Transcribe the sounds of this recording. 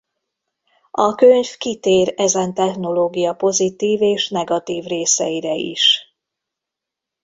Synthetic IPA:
ʔɒkøɲfkit̪eːɾɛzɛnt̪ɛxno̞loːɡijɒpo̞zit̪iːveːʃnɛɡɒt̪iːvreːsɛjiɾɛḭʃ

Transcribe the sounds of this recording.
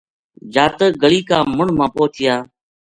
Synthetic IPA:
d͡ʒaːt̪əːɡəɭiːkaːmʊɳmãːpoːt͡ʃʰɪjaː

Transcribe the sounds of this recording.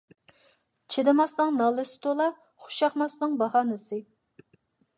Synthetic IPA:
t͡ʃʰɪd̪ɨmɑsnɨŋnɑlˠɨsɨ̥t̪ʰolˠɑ | χʊ̥ʃɑχmɑsnɨŋbɑhɑːnɨsɨ

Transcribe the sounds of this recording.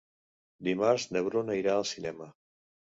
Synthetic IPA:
d̪imaɾznəβɾonəiɾaəlˠsinɛmə

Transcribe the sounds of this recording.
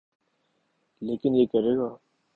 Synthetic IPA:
leːkɪnjeːkəɾeːɡaː

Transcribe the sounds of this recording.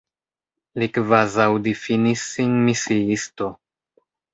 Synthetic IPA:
likvazawdifinisːinmisiisto̞

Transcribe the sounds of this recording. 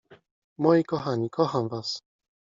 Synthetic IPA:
mɔjikɔxaɲikʰɔxamvas

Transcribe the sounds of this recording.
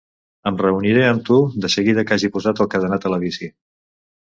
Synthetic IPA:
əmrəuniɾeəmt̪ud̪əsəɣiðəkaʒipuzat̪əlˠkəðənat̪ələβ̞isi

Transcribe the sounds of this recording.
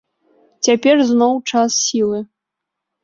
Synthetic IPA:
t͡sʲapʲɛrznɔwt͡ʂasːʲilˠɨ

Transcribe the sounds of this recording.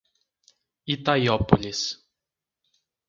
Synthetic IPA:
it̪ajɔpolʲis

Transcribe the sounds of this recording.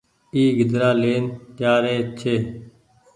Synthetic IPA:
iːɡɪd̪ɾaːleːnt̪jaːɾeːt͡ʃʰeː

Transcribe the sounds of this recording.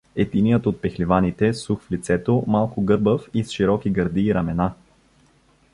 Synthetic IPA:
ɛt̪inijət̪ot̪̚pɛxlivanit̪ɛsuxflit̪sɛt̪omalˠkʊɡɤɾbəfisʃiɾɔkiɡəɾd̪iːɾɐmɛna

